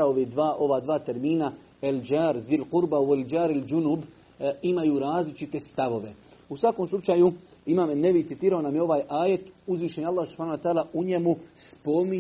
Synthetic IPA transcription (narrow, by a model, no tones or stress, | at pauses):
aoʋid̪ʋaːʔo̞ʋad̪ʋaːt̪e̞ɾmiːna | eld͡ʒaːɾðilquɾbaueld͡ʒaːɾald͡ʒunub | imajuːɾaːzlit͡ʃit̪e̞st̪aʋo̞ʋe̞ | usʋakomslˠut͡ʃaːju | imaːmenːeʋit̪it̪iːɾaonamjeo̞ʋaːjaːje̞t̪uzʋiːʃeɲalˠːaːhsupʰhaːnowat̪aːlaʔuɲemuspo̞mi